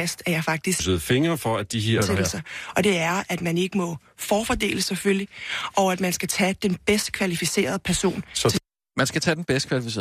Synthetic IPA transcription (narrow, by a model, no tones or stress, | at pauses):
æsd̥æɐjɑ̈ɪfɑ̈ɡ̥̚d̥issəð̩ˠfe̝ŋɐfɒæd̥iɦeɐ̰sɐɒ̽d̥e̝æɐæd̥mæne̝ɡ̥əmɒ̽ | fɒːfɒd̥e̝̰ːləsefølliʔɒʊæd̥mænsɡ̥æt͡sʰɛd̥enb̥esd̥kʰʋælifise̝̰ːɐð̞ˠəpʰæɐso̝̰ːnsɒ | mænsɡ̥æt͡sʰɛd̥enb̥esd̥kʰʋælifisḛː